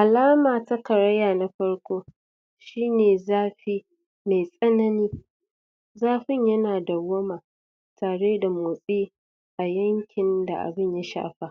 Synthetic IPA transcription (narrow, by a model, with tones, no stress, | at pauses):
ʔa˨laː˦maː˨ta˦kɐ˨ɽɐ˦jaː˨na˦ɸɐ˦ɽkʷoː˦ | ʃiː˦neː˨zaː˦ɸi˦ | ma˨jsʼɐ˦nɐ˦niː˦ | zaː˦ɸɪ˦ɲjɐ˦naː˨da˨wɐ˦maː˨ | tʰaː˨ɽeː˦da˨moː˨sʼiː˦ | ʔa˨jɐ˦ŋkʲʰɪ˨nda̰˨ʔa̰˨bɪ˦ɲja˦ʃa̰ː˦˨ɸa˦